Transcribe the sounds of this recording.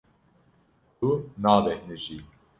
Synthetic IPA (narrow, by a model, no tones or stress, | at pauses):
t̪unaːbɛhnɨʒiː